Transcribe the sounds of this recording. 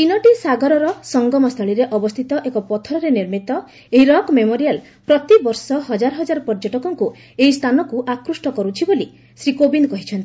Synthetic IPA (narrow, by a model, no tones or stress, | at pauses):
pinɔʈisaɡɔɾɔɾɔsɔŋɡɔmɔst̪ʰɔɭiɾeʔɔbɔst̪ʰit̪ɔʔekɔpɔt̪ʰɔɾɔɾeniɾmit̪ɔ | eiɾɔkmemoɾial | pɾɔt̪ibɔɾsɔɦɔd͡ʒaɾɔɦɔd͡ʒaɾɔpɔɾd͡ʒɔʈɔkɔŋku | eist̪ʰanɔkuʔakɾusʈɔkɔɾut͡ʃʰiboli | sɾikobinkɔɦit͡ʃʰɔnt̪i